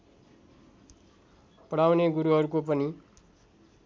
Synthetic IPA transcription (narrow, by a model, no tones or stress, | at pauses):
pʌɽawneɡuɾuʌɾukop̬ʌni